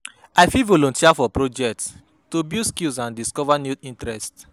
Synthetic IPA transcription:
aɪfivolɔ̃ntʰiafɔpɹod͡ʒɛk̚ts | tobiskilsãndiskɔvanjuĩntɹɛst

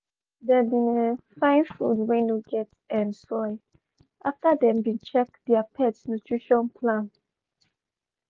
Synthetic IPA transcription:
dɛbĩnefãɪ̃nfṵdwɛ̃njuɡɛt | ɛ̃nsɔɪ | ʔaftadɛ̃mbĩnt͡ʃɛk̚diapʰɛtsnutʰɹiʃɔ̃npʰlãn

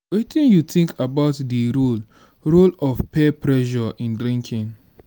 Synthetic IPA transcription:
wetĩnjutĩŋkʰabaʊtdiɹol | ɹolɔfpepʰɹɛʃɔʔĩndɾĩŋkʰĩn

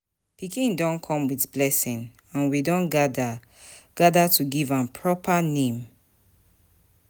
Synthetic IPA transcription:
pikĩndɔ̃nkʰɔ̃mwitblɛsĩn | ãnwidɔ̃nɡada | ɡ̥adatuɡivãnpʰɹɔpʰanẽm

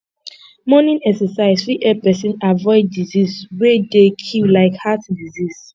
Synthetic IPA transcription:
mɔnĩnɛksɛsaɪz̥fɹiʔɛpɛsĩnavɔɪdːizizwedekʰillaɪkhatdiziz̥

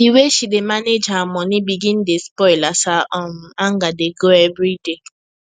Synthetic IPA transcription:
iweʃidemaned͡ʒamɔnibiɡĩn̩despɔɪlasaʔɔm̩aŋɡadeɡoɛvɾide

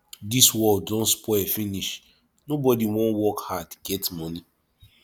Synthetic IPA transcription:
diswɔldɔ̃nspɔfiniʃ | nobɔdiwɔ̃nwɔkhadɡ̥ɛtmɔni

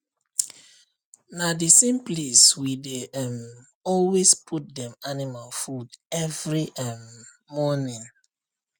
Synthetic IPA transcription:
nadisẽmpleswideɛm | ɔlwespʰut̚dɛ̃manimalfudɛvɹiʔɛmː | ɔnĩn

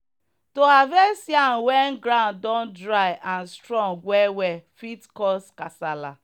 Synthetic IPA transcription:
toavɛsjan̩wɛn̩ɡɾãndɔ̃ndɾajʔan̩stɾɔ̃ŋɡʷɛwɛfitkɔskasala

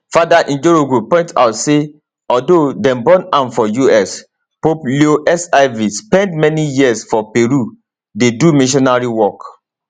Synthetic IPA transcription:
fadaʔĩnd͡ʒoɹoɡɹuppːɔ̃ɪ̃nta̰ʊtse | ɔldodɛ̃mbɔ̃nãnfɔjuɛs | poplioʔɛsaɪvispɛ̃ndmɛnijiəsfɔpeɹu | dedumĩʃ̬ɔnaɹiwɔk

